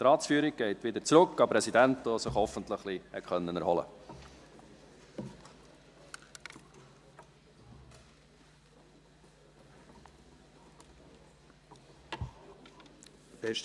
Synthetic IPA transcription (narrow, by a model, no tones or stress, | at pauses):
t̪ɾɑːtsfyːɾik̚ɡ̥ɛɪtʋɪd̪əɾt͡sɾɵkːɑpɾɛsidæntɔsɪχhɔfəntləχlihɛχœnːənæɾhɔlə̰ | bɛʃ